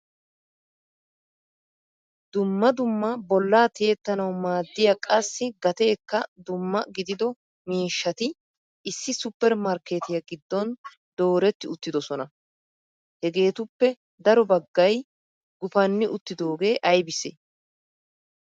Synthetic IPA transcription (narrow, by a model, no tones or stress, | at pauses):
d̪̥ʊmːɐd̪ʊmːɐbɔlːaːt̪ɪjɛt̪ːɐnɐwmaːd̪ːɪjɐkʼɐsːɪɡɐt̪e̞ːkːɐd̪ʊmːɐɡɪd̪ɪd̪ɔ | miːʃːɐt̪ɪ | ɪsːɪsʊpːɛɾmɐɾke̞ːt̪ɪjɐɡɪd̪ːɔn | d̪o̞ːɾɛt̪ːɪʊt̪ːɪd̪ɔsɔnɐ | hɛɡe̞ːt̪ʊpːɛ | d̪ɐɾɔbɐɡːɐj | ɡʊfɐnːɪʔʊt̪ːɪd̪o̞ːɡe̞ːʔɐjbɪse